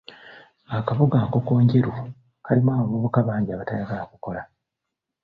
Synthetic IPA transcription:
akaβoɡaːko̞ko̞ːɲɟe̞ɾuu | kalimaːβoβuβukaβaːɲɟiaβatajaɡalakuko̞la

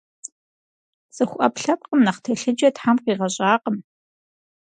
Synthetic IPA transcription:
t͡sʼɨxʷʔɐpɬɐp̚qʼəmnɐχtʰɐɬɨd͡ʒɐtħamqiːʁɐɕʼaːqəm

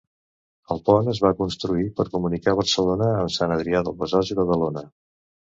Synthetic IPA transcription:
əlˠpɔnəzβakunst̪ɾuipəɾkumunikaβ̞ərsəlonəːmsanəðɾiaðəlˠβəzɔziβəðəlonə

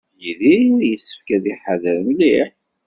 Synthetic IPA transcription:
jilijəsːə̥fkæðiħaðəɾəmliħ

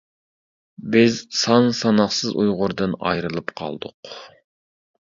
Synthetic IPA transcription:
bɪzsɑnsɑnɑχsɨzujʁʊɾd̪ɨnɑ̰jɾɨlˠɨpqʰɑ̰lˠd̪ʊq

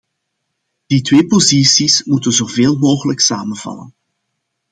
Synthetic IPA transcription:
d̥itʋeːpozisismutənzoːveːlˠmoːɣələksaːmənv̥ɑ̰lə̰n

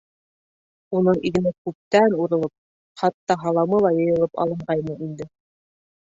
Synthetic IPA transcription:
unɤɴʔiɡɘ̆nækʉp̚t̪ænuɾɤ̆lˠɤp̚ | χɑt̪ːɑɦɑlˠɑmɤlˠɑjɤ̆jɤ̆lˠɤpɑ̰lˠɤ̆ɴɢɑjmɤind̪ɘ

